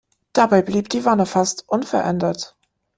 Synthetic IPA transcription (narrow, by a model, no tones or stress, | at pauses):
d̥abaɪbliːp̚d̥iːvanəfastʔʊnfɛɐʔɛndɐt